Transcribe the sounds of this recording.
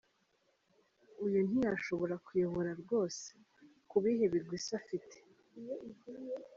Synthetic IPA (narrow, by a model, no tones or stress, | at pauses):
ujun̥ijaʃo̞βo̞ɾakujo̞βo̞ɾaɾɡo̞ːse̥ | kuβihe̞βiɾɡwisafite̥